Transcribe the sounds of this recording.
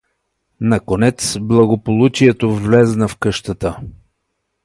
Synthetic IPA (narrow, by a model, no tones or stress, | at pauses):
nɐkonɛt̪sblˠɐɡopolˠut͡ʃiɛt̪ovlɛznəfkɤʃt̪ət̪ə